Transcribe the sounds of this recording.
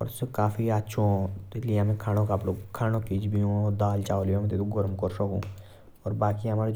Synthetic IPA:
ɔ̰ɾskaːfʰiatːʃʰõːt̪ɪlijmẽːkʰaːnõkaploːkʰaːñokid͡ʒbijõːd̪aːlt͡ʃaːoljõmt̪et̪uɡɔɾəmkɔɾsəkṵ̃ː | ɔːɾbaːkiəmaːɾe

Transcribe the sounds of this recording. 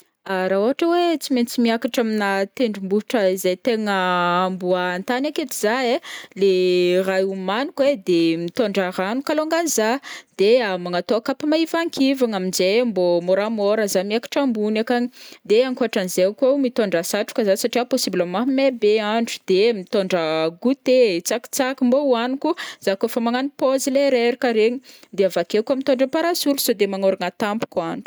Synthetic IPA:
aɾaoɦaʈ͡ʂəwet͡siment͡simiakaʈ͡ʂaminat̪eɳɖ͡ʐumbuʈ͡ʂəizajt̪eŋəːmbuaːnt̪anaket̪iz̥aelerajumanukwed̪emit̪oɳɖ͡ʐaɾanukaloŋɡanizad̪̥eamaŋat̪oakapamaivaŋkʰivaŋaminzembomoɾamoɾəzamiakḁʈ͡ʂambunakaɲid̪eaŋkuaʈ͡ʂanzekamit̪oɳɖ͡ʐasaʈ͡ʂu̥kəzasaʈ͡ʂiaposibləmaɦmebeaɳɖ͡ʐu̥d̪̥emit̪oɳɖ͡ʐəɡut̪et͡saki̥t͡sakimbowanikuz̥akofamaŋanipozileɾeɾikaɾeɲid̪eavakekamit̪oɳɖ͡ʐəpaɾasulu̥sod̪emaŋoɾaŋat̪ampu̥kaɳɖ͡ʐu̥

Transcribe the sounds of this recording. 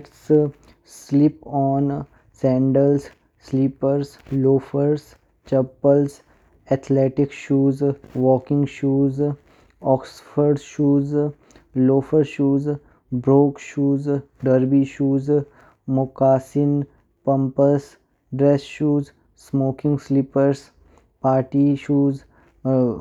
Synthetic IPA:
ʈs | slɪpɔːn | sɛ̃ːɳɖəls | slipəɾsloːfəɾs | t͡ʃɐpəls | ɛt̪ʰlɛːʈɪkʃuːzʋɔːkɪ̃ŋɡʃuːz | ɔːksfəɾɖʃuːz | loːfəɾʃuːz | bɾoːkʃuːz | ɖəɾbiʃuːz | mʊkaːsɪn | pə̃mpəs | ɖɾɛsʃuːz | smoːkɪ̃ŋɡslipəɾs | paːʈiʃuːz

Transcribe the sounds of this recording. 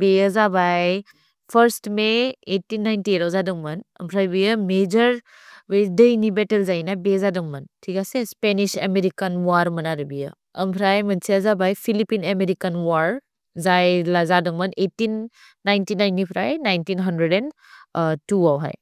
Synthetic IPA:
bezabaj | pʰəɾstmeetːinːajntiɾawzadɐŋmɐnɐ̰mpʰɾajbijəmed͡ʒəɾ | wedejnibetəlzajnajbezadɐŋmɐntʰikasespenisḛmeɾikanwaɾmɐnaɾəbijə | ɐ̰mpʰɾajmɐnsiɐzabajpʰilipinemeɾikanwaɾ | zajlazadɐŋmɐnetːinː | ajntinajntipʰɾajnajntinɦɐndɾedɛn | tuawɦa̰j

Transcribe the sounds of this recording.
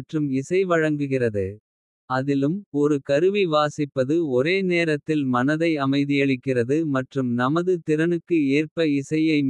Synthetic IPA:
ʈrɯmɪsɐɪʋɐɻɐŋɡɯɣɪrɐðɯ | ɐðɪlɯmɔɾɯkɐɾɯʋiʋaːsɪpːɐðɯɔɾeːneːɾɐt̪ːɪlmɐnɐðɐɪɐmɐɪðɯjɐɭɪkːɪrɐðɯmɐʈrɯmnɐmɐðɯt̪ɪɾɐnɯkːɯeːrpɐɪsɐjɐɪm

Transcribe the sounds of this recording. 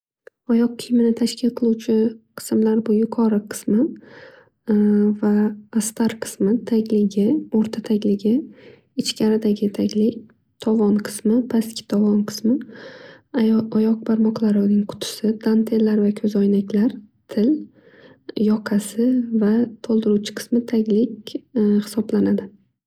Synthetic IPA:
ɒjɒqʰːɨjmɪnɪt̪ʰaʃkʲʰɪlqʰɨlˠuwt͡ʃʰɪqʰɨ̥smlaɾbʊjʊqʰɒɾɨqʰɨ̥smɪ | vaːst̪aɾqʰɨ̥smɪt̪ʰaɡʲlɪɡʲɪoɾt̪ʰat̪ʰaɡʲlɪɡʲɪ | ɪt͡ʃkʲʰaɾɪd̪aɡʲɪt̪ʰaɡʲlɪkʲ | t̪ʰɒvɒnqʰɨ̥smɪpʰaskʲɪ̥t̪ʰɒvɒnqʰɨ̥smɪ | ɒjɒq̚baɾmɒqlˠaɾɪnɪŋqʰʊ̥t̪ʰʊ̥sɪd̪̥ant̪ʰelːaɾvakʲʰɵzɒjnakʲlaɾt̪ʰɪl | jɒqʰasɪvat̪ʰolˠd̪ɪɾut͡ʃʰɪ̥qʰɨ̥smɪt̪ʰaɡʲlɪkʲhɪ̥sɒblanad̪ɪ

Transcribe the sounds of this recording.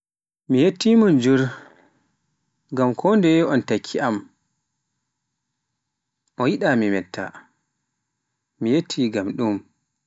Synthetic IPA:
mijetːimɔnd͡ʒuɾ | ɡamkʰɔndɛɔntakʰːiam | ʔɔjiɗamimɛtːa̰ | mijetʰːiːɡamɗum

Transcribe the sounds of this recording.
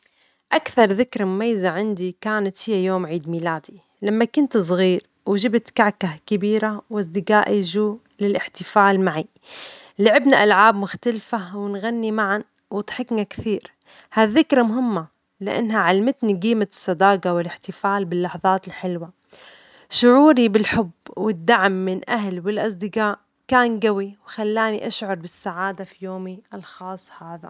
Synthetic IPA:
ʔakθɑɾˤðɪkɾɑmʊmajːzaʕɪnd̪ikaːnat̪hɪjːajoːmʕiːd̪miːlaːd̪i | lamːakʊnt̪s̬ˤɣiːɾ | wɪʒɪbt̪kaʕkahkɪbiːɾawʔas̬d̪ɪɡaːʔiʒuː | lɪlʔɪħt̪ɪfaːlmaʕi | laʕɪbnaʔalʕaːbmʊxt̪alfawɪnɣanːimaʕan | wɪt̪ħɪknakθiːɾ | haðːɪkɾˤɑmʊɦɪmːa | lɪ̰ʔa̰nːhaʕalmɪt̪niɡiːmasˤːɑd̪ɑːqɑwɪlɪħt̪ɪfaːlbɪlːɑħðˤɑːt̪ɪlħɪlwa | ʃʊʕuːɾibɪlħʊbwɪd̪ːaʕmːɪnʔaɦlwɪlʔɑsˤd̪ɪqaːʔ | kaːnɡawiwxalːaːniʔaʃʕʊɾˤbɪsːaʕaːd̪afijoːmiʔalxɑːsˤːhaːða

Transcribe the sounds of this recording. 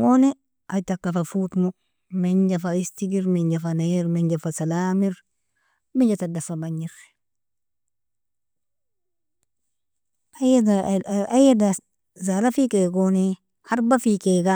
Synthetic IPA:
wone | ʔatakːafafutmu | meɲd͡ʒafaistiɡiɾmeɲd͡ʒafanajeɾmeɲd͡ʒafasalaːmiɾ | miɲd͡ʒatadafabaɲiɾ | ajeaajada | zalafikeɡone | haɾbafikeɡa

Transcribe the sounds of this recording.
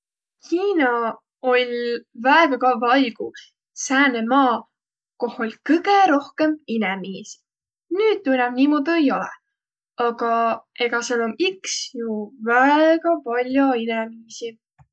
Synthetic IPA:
hiːnɑ | o̞lʲvæeɡ̥ɑkɑvɑjɡ̥u | sæːnemɑː | ko̞holʲkɤɡ̥eɾo̞hke̞minɛmiːsi̥ | nyːd̪̥̚t̪unʲɛmniːmo̞ːd̪̥uejo̞lɛ̰ | ɑɡ̥ɑe̞ɡ̥ɑselomiksjuvæeɡ̥ɑpɑlʲjoinɛmiːsi

